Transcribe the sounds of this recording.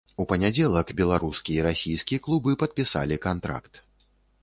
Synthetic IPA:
upɐnʲad͡zʲɛlˠɐkbʲɛlˠaɾuskʲijɐiɾasʲijskʲijɐklˠubɨpɐt̪̚pʲisa̰lʲikant̪ɾa̰kt̪

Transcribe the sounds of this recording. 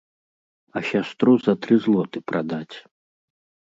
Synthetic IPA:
ɐɕʲast̪ɾuzɐt̪ɾɨzlˠɔt̪ɨpɾʔad̪at͡sʲ

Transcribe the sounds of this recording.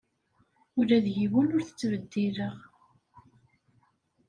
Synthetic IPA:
ʊlæðʝiwənʊɾθə̥t͡sːvəd̪ːiləʁ

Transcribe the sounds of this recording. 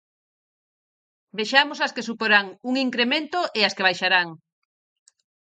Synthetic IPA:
beʃamosaskesupoɾaŋuŋiŋkɾemẽnt̪oʔeaskeβ̞ajʃaɾaŋ

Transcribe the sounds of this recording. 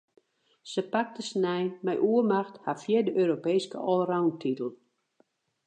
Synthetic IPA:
səpak̚təsnɛjmɛjʔuərmaxthafjɪdəʔøːɾopeːskə̰ʔɔlˠrawntʰitəlˠ

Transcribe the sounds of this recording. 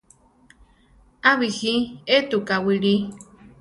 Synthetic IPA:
aβihiet̪ukawiɺi

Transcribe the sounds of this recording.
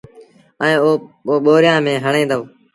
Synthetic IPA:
əẽːoːoːɓoːɾjãːmẽːɦəɳẽːnd̪aoː

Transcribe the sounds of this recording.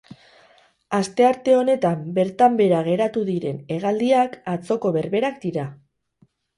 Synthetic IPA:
ast̪e̞aɾt̪e̞o̞ne̞t̪ambe̞ɾt̪ambe̞ɾaɣ̞e̞ɾat̪uðiɾe̞ne̞ɣ̞ald̪iakat͡so̞ko̞βe̞ɾβe̞ɾakd̪iɾa

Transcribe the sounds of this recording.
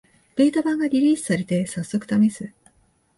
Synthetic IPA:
b̥e̞ːt̪abãŋɡaɾʲiɾʲiːsɨ̥saɾe̞t̪e̞sasːo̞kɯ̟̥t̪amẽ̞sɨ

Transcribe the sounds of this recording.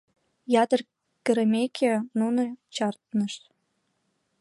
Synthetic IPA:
jɑt̪ə̆r | kə̆ɾə̆mʲekʰʲenunot͡ɕɑrt̪nə̆ʃt̪

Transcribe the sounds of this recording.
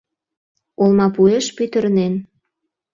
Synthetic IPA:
olmɑpueʃpyt̪ə̆ɾnen

